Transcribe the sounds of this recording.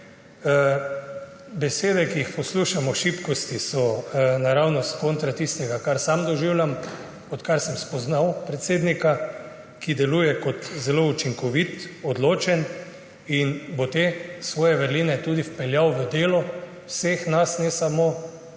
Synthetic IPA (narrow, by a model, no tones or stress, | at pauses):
bɛseːd̪ɛkiixpɔsluʃamɔʃipkɔst̪isɔnaɾawnɔskont̪ɾat̪ist̪ɛɡakaɾsamd̪ɔʒiwljam | ɔt̪kaɾsɛmspɔznawpɾɛt̪seːd̪nika | kid̪ɛlujɛkɔt̪zɛlout͡ʃiŋkɔʋit̪ɔd̪loːt͡ʃɛn | inbot̪esʋɔːjɛʋəɾlinɛt̪uːd̪ifpɛljawʋəd̪eːlɔ | wsexnasnɛsamo